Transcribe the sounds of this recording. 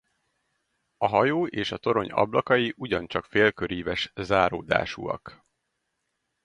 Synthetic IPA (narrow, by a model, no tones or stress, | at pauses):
ɒɦɒjoːʔeːʃɒt̪o̞ɾo̞ɲɒ̰blɒkɒjiʔuɟɒnt͡ʃɒkfeːlkøɾiːvɛʃzaːɾoːd̪a̰ːʃṵɒ̰k